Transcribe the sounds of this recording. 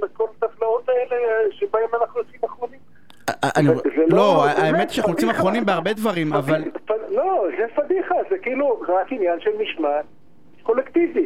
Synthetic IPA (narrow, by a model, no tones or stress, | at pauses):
bekolat̪aflao̞t̪aeleʃebaemanaχnujot͡simaχʁonim | anizello̞aʔaemet̪iʃanaχnujot͡simaχʁo̞nimbeaʁbe̞d̪vaʁimavalfalozefad̪iχazekiiluʁakinjanʃelmiʃma | kolekt̪ivi